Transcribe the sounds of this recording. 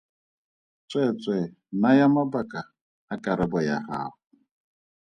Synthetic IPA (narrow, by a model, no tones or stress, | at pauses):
t͡sʼɛt͡sʼɛ | najamabaka | akaɾɪbɔja̰ɦa̰hʊ